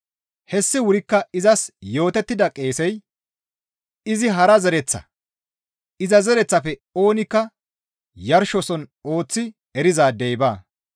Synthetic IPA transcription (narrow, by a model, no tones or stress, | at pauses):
hɛsːɪwʊɾɪkːɐɪzɐsjo̞ːt̪ɛt̪ːɪd̪ɐkʼe̞ːsɛj | ɪzɪɦɐɾɐzɛɾɛt͡sːɐ̰ | ɪzɐzɛɾɛt͡sːɐfɛo̞ːnɪkːɐ | jɐɾʃɔsɔno̞ːt͡sːɪ | ɛɾɪzaːd̪ɛjbaː